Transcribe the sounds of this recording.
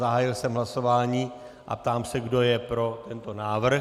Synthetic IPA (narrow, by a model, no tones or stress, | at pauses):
aɦaːjɪlsɛmɦlaso̞vaːɲiː | ʔa̰p̚t̪aːmsɛɡdo̞jɛpɾo̞t̪ɛnt̪o̞naːvr̩